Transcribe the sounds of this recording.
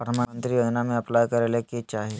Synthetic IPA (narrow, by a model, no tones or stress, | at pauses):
əməənt̪ɾijod͡ʒnamẽəplajkəɾeleket͡ʃaɦi